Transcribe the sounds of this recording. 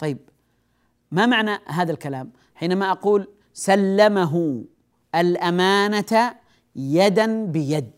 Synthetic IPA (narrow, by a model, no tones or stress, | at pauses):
t̪ˤɑjːɪb̚ | mamaʕnaɦaːðalkalaːm | ħiːnamaʔɑquːl | salːamaɦʊ | alʔamaːnat̪a | jad̪anbɪjad̪̚